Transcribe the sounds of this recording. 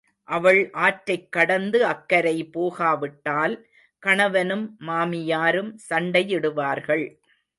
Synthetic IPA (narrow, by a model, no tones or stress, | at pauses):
ʔɐʋɐɭʔaːʈɾɐɪkːɐɽɐnd̪ɯɐkːɐɾɐɪpoːɣaːʋɪʈːaːl | kɐɳɐʋɐnɯmːaːmɪjaːɾɯmsɐɳɖɐjɪɽɯʋaːɾɣɐɭ